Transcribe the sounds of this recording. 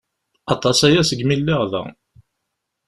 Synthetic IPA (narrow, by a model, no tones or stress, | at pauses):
ɑt̪ˤːɑsæjæsəɡmilːɪʁðæ̰